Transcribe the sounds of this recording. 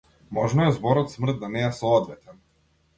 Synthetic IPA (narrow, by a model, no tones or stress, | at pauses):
mɔʒnɔɛzbɔɾɔt̪smr̩d̪̚d̪ːanɛɛsɔɔd̪vɛt̪ɛn